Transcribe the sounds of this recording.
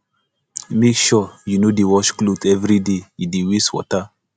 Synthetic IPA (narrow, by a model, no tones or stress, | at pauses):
mekʃɔjunodewɔʃklodɛvɾideidewiswɔ̰ta